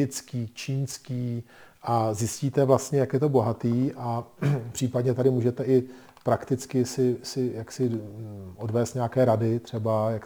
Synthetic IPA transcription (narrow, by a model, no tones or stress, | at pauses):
ɪt͡skiːt͡ʃiːnskiːʔazjɪsciːt̪ɛvlast̪ɲɛjakjɛt̪o̞bo̞ɦat̪iːʔapr̥iːpadɲɛt̪adɪmuːʒɛt̪ɛʔɪ | pɾakt̪ɪt͡skɪsɪsɪjaksɪʔo̞dvɛːst̪ɲeakɛːɾadɪt̪r̥ɛbajak